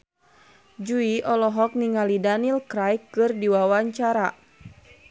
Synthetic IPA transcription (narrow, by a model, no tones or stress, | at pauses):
d͡ʒuiʔɔlɔɦɔk̚niŋalidanilkɾajkːɨrdiwawaɲt͡ʃaɾa